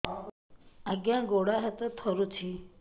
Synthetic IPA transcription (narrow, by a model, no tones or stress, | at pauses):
aɡjãɡoɽaɦet̪ət̪ʰəɾut͡ʃʰi